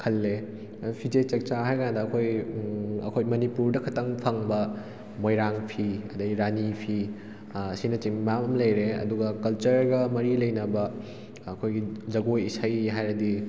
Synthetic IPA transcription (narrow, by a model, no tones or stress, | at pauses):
kʰɐlːe | pʰid͡ʒet͡ʃɐk̚t͡ʃaɦajkandɐːkʰoj | ɐ̰kʰojmɐnipuɾdɐkʰɐtɐŋpʰɐŋbɐ | mojɾaŋpʰiɐdɐɡiɾanipʰi | ɐsinɐt͡ʃiŋmamɐmlɐjɾeɐ̰duɡɐkɐlt͡ʃɐɾɡɐmɐɾilɐjnɐbɐː | kʰojɡizɐɡojisɐjɦajɾɐdi